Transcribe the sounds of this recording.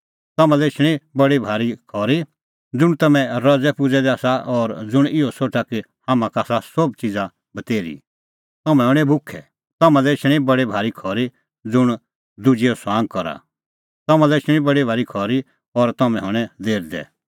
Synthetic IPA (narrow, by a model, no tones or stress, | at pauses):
t̪ɐmãlɛɪt͡ʃʰɽ̃ibɐɽibʱaːɾikʰɔːɾi | d͡zʊɽ̃t̪ɐmɛ̃ɾɐd͡zɛpʊd͡zɛd̪ɛaːsaʔɔɾd͡zʊɽ̃ɪɔsoːʈʰaki | hamãkaːsasɔbt͡sɪd͡za | bɐt̪eːɾḭ | t̪ɐmɛ̃ɦɔɽ̃ɛbʱʊkʰɛ | t̪ɐmãlɛɪt͡ʃʰɽ̃ibɐɽibʱaːɾikʰɔɾi | d͡zʊɽ̃ | d̪ʊd͡ʒiɔsãːŋɡ̚kɔɾa̰ | t̪ɐmãlɛɪt͡ʃʰɽ̃ĩbɐɽibʱaːɾikʰɔɾi | ɔɾt̪ɐmɛ̃ɦɔɽ̃ɛ̃d̪eːɾd̪ɛ̰